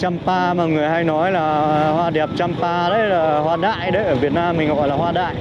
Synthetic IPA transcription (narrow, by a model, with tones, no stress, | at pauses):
t͡ɕa˧mpaː˧maː˨˩ŋɨ˨˩əjɦa˧jnɔ˨˦jlaː˨˩hwaː˧ɗɛ˨˩p̚t͡ɕaː˧mpaː˧ɗə˨˦jlaː˨˩hwaː˧ɗa̰ː˧˨jɗə˨˦jʔəː˧˩vi˨˩ət̚naː˧mːï˨˩ŋ̟kɔ̰˨˧˦ɔ˧˩laː˨˩ɦwaː˧ɗa̰ː˧˨j